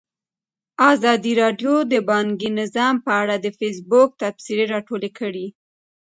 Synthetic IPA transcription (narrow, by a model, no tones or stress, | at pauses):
ɑzɑd̪iɾɑɖjod̪əbɑŋɡinɪzɑmpəaɽad̪əfes̬bʊk̚t̪afsiɾeɾɑʈolekʰəɽi